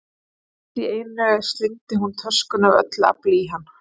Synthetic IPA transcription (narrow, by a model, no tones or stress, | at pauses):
t̪iejnɾɛɣast̪ɪnt̪ɪɦunt̪ʰœskʏnavœ̰t̪la̰pliɦanː